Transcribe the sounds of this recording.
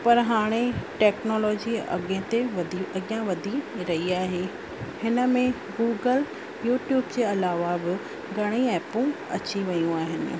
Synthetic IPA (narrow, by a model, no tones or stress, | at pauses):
pɐɾɦaːɽ̃eʈeːknoːlɔːd͡ʑiɐ̰ɡẽt̪eɐɠɪjãʋɐd̪ʱiɾɐɦiaːɦeː | hɪnə̆mẽ | ɡuːɡəl | juːʈjuːbd͡ʑeːɐlaːʋabɪ | ɡʱɐɽ̃iɛːpũ | ɐ̰t͡ɕiʋɐjũaːɦɪnɪ̰̆